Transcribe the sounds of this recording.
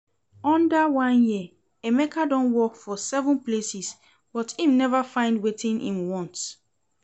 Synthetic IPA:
ɔ̃ndəwãnji | emɛkʰadɔ̃nwɔkfɔsɛvə̃nplesis | b̥ɔthĩmnɛvafãɪ̃ndwetʰĩnḭ̃mwɔ̃nt

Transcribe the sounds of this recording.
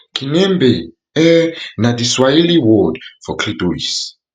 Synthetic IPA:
kʼinɛmbɛ | ɛnadiswailiwɔdfɔkʰliduḭs

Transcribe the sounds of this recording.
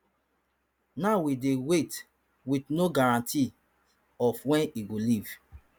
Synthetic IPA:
nawidewet | witnoɡaɹãntʰi | ɔfwɛ̃niɡoliv

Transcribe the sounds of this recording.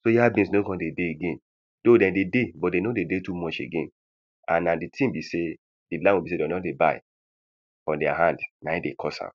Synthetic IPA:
sojiabĩnsnoɡɔ̃ndedeeɡẽn | d̥odɛ̃ndedebɔt̚denodedetumɔt͡ʃḛɡẽn | ãnːãditʰĩmbise | dilãwibisedɛnɔtdeba̰ɪ | fɔ̃ndɛa̰ɦãndnaidekʰɔsã̰m

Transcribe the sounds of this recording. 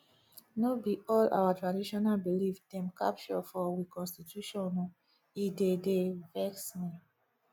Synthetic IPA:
nobiɔla̰watɹadiʃɔnalbilifdɛ̃mka̰pʃɔfɔwikɔ̃nstitjuʃɔ̃nɔ | idedevɛksmĩ

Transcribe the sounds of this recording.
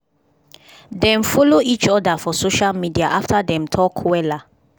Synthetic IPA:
dɛ̃mfɔloit͡ʃɔdafɔsoʃalmidiaʔaftadɛ̃mtʰɔkʰwɛla

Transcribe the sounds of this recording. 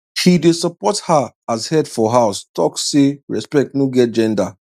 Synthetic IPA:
ʃidesəpɔtha | azhɛdfɔɦaʊstɔkseɹɛspɛk̚tnoɡɛt̚d͡ʒɛ̃nda

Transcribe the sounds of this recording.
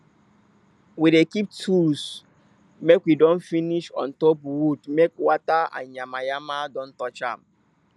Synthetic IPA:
wiɾekip̚tʰus | mekwidɔ̃nfiniʃɔ̰̃ntopwudmekwataã̰nɲamajamadɔ̃n̩tɔt͡ʃã̰m

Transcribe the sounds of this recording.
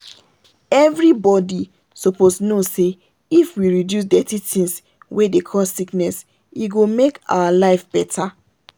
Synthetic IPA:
ɛvɹibɔdi | soposnose | ifwiɹidjus̬dɛtitĩns | wedekʰɔssiknɛs | iɡomeka̰walaɪfb̥ɛtʰa

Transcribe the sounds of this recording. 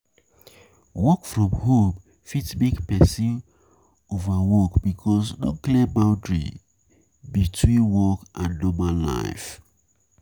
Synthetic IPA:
wɔkfɹɔ̃mhom | fitsbiɡpɛsĩn | ovawɔkbikʰɔs̬nɔ̰klibaʊdɹḭ | bitʰwĩnwɔkʔãndɔmala̰ɪf

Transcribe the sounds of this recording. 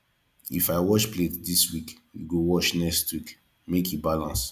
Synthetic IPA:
ḭfaɪwɔʃpletdiswikjṵɡowɔʃnɛstʰwik | mekjubalãns

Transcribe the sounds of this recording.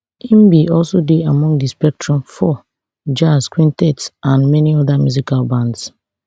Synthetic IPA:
ĩmbiɔlsodeamɔ̃ŋɡdispɛk̚tʰɹɔ̃mfɔ | d͡ʒaskwĩntɛtsãnmɛniɔðamjuzikalbãnds

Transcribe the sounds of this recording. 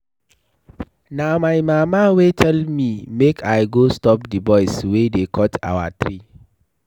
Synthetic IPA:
nãmãɪmãmãwetʰɛlmĩmekʰaɪɡostɔp̚dibɔɪswedekʰɔtʰa̰wa̰tʰɾi

